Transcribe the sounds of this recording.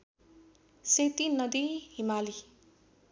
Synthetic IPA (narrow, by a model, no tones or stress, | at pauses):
sejt̪inʌd̪iɦimali